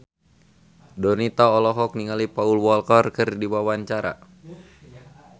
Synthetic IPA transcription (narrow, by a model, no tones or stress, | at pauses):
dɔnit̪aɔlɔɦɔk̚niŋalipaulwɔlkɔrkɨrdiwawaɲt͡ʃaɾa̰